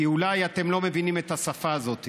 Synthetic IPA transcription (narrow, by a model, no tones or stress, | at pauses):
iulajat̪e̞mlo̞me̞vinimet̪hasafaːzo̞t̪i